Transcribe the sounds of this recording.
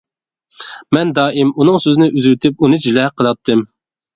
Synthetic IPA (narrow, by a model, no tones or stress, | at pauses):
mɛnd̪ɑːʔimunɨŋsøznɪʔyzɾt̪ʰɪp̚unɨd͡ʒilɛqʰəlˠɑt̪ʰːɨm